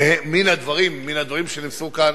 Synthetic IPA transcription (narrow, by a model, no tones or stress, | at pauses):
emːinhad̪vaʁimːinhad̪vaʁimʃenimsukan